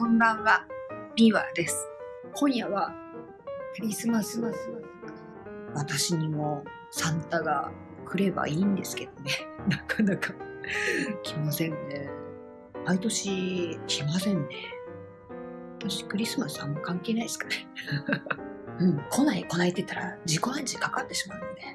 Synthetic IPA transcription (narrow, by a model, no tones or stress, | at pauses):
kõ̞mbãɰ̃βab̥ʲiβa̰ːd̪e̞sɨ̥ | kʰõ̞ɰ̃jaβa | kɯ̟ɾʲisɨmasɨmasɨ | βat̪aɕiɲ̟imo̞ | sãnt̪aɡa | kɯ̟ɾe̞ba̰iːnd̪e̞sɨ̥ke̞d̪̥o̞ne̞nakʰanakʰa | kʲʰimasẽ̞nːe̞ | mait̪o̞ɕikʲimasẽ̞nːe | βat̪aɕi̥kɯ̟ɾʲisɨmasɨamːakãŋke̞ːnaisɨ̥kane | ɯ̟̃ɴkʰo̞naiko̞nait̪ːe̞t̪ːaɾad͡ʑiko̞ãɲt͡ɕikakat̪ːe̞ɕi̥maɯ̟nod̪e̞